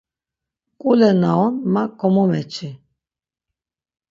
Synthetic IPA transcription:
kʼulɛnaɔnmakʰɔmɔmɛ̰t͡ʃʰi

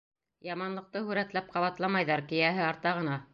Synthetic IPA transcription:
jɑmɑnlˠɤ̆q̚t̪ɤhʉɾæt̪læp̚qɑβɑt̪lˠɑmɑjðɑɾkɘ̆jæɦɘɑɾt̪ɑʁɤ̆nɑ

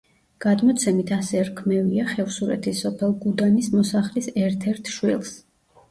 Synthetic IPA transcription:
ɡ̥ad̪mɔt̪sʰɛmit̪ʰasɛɾkʰmɛviaχɛvsuɾɛ̰t̪ʰisɔpʰɛlˠɡud̪anismɔsaχlisɛɾt̪ʰɛɾt̪ʰʃwilˠs

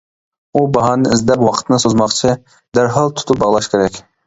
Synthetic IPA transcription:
ubɑɦɑːnɨɪzd̪ɛpwɑqʰə̥t̪ʰnɨsozmɑχt͡ʃʰi | d̪æɾɦɑlˠt̪ʰʊ̥t̪ʰup̚bɑʁlˠɑʃkʲʰeɾɛkʲ

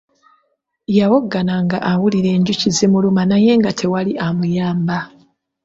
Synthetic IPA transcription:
jawoɡːanaŋɡa̰ʔawuliɾe̞ːɲɟucizimulumanaje̞ŋɡatʰe̞waliʔamujaːmba

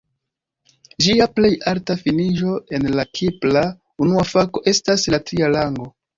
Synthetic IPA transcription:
d͡ʒiaple̞jaltafiniʒo̞e̞nlakʰipla | unuafako̞ʔe̞staslatɾialaŋɡo̞

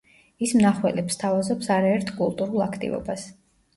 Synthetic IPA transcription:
ismnaχwɛlɛpst̪ʰavazɔpsaɾaɛɾt̪ʰkʼulˠt̪ʼuɾulˠakʰt̪ʼḭvɔ̰bas

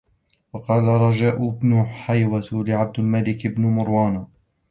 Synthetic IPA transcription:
wɑqɑːlaɾˤɑd͡ʒaːʔʊbnʊħajwat̪lɪʕab̚d̪ɪlmalɪkɪbnʊmʊɾwaːna

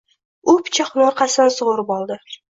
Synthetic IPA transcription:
ʊpʰt͡ʃʰɪχnoɾqʰɑsɪnsʊʁʊɾɪpɒlˠd̪ɪ

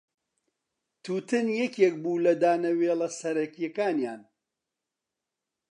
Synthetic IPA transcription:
t̪ʰuːt̪ɨnjɛkek̚buːlɐd̪aːnɐweːlɐsɐɾɐkijɛkaːnjaːn

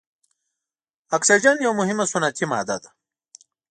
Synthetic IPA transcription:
ɐksɐd͡ʑɐnjɐwmuɦimɐsunat̪ʰima̰ːd̪ɐ̰d̪a

